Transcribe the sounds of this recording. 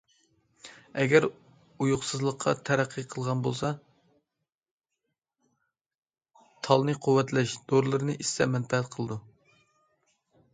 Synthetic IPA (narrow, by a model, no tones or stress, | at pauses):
ɛɡʲɛɾ | ujʊχsɨzlˠəqʰːɑ̰t̪ʰæɾæqʰːɨqʰəlˠʁɑnbolˠsɑ | t̪ʰɑlˠnɨqʰʊwːɛt̪lɛʃd̪̥oɾlˠɨɾɨnɨʔissɛmɛnpɛɦæt̪qʰəlˠɨd̪u